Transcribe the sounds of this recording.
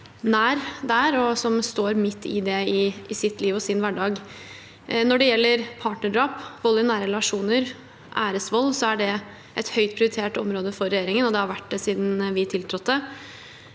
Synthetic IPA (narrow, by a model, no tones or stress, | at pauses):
næːɾd̪æːɾɔsɔmst̪oːɾmɪt̪ʰːɪ̰d̪ɛɪɪsɪt̪ːliːʋɔsɪnʋæɖɑːɡ | nɔɖɛjɛlːəɾpʰɑːʈnəɖɑːpʋɔlːənæːɾəlɑʂuːnəɾ | ʔæːɾəsʋɔlːsɔæɖɛ | ʔɛt̪hœʏt̪pʰɾɪʊɾɪt̪ʰeːʈɔ̰mɾoːd̪əfɔɾːɛjeːɾɪŋənɔd̪ɛhɑɾʋæʈd̪ɛsiːd̪n̩ʋɪt̪ʰɪlt̪ʰɾɔt̪ːd̪ɛ